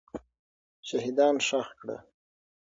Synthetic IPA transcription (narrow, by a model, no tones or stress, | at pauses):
ʃaɦid̪ɑnʂaxkɽa̰